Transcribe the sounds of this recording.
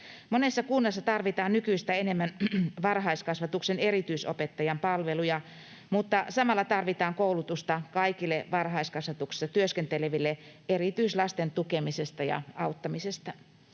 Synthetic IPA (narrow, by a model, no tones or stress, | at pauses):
monesːɑkunːɑsːɑt̪ɑrʋit̪ɑːnnykyist̪æenemːænʋɑrhɑiskɑsʋɑt̪uksenerit̪yiso̰pet̪ːɑjɑmpɑlʋelujɑ | mut̪ːɑsɑmɑlːɑt̪ɑrʋit̪ɑːŋkoulut̪ust̪ɑkɑikilːˑeʋɑrhɑiskɑsʋɑt̪uksi̥sːɑt̪yøskent̪eleʋilːe | erit̪yislɑst̪ent̪ukemisest̪ɑjɑ̰ɑut̪ːɑmisest̪ɑ